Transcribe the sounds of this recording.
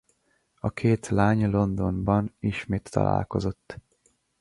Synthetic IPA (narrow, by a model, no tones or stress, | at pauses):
ɒkʰeːt̪laːɲlo̞nd̪o̞nbɒniʃmeːt̪ʰːɒ̰la̰ːlko̞zo̞t̪ː